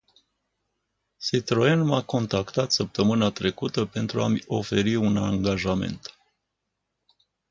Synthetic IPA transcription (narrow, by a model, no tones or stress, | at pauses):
sit̪ɾoenmako̞nt̪akt̪at̪səp̚t̪əmɨnat̪ɾe̞kut̪əpe̞nt̪ɾuamʲo̞fe̞ɾiunaŋɡaʒame̞̰nt̪